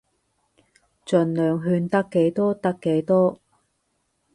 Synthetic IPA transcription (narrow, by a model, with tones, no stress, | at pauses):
t͡sɵ˨˩nlœː˨ŋɦyː˧nt̪ɐ˥kːe˨˥jt̪ɔː˥t̪ɐ˥kːe˨˥jt̪ɔː˥